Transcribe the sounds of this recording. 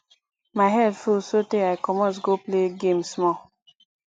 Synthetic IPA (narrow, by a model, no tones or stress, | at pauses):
maɪɦɛdfulsoteaɪkɔmɔ̃ns̬ɡopleɡẽmsmɔ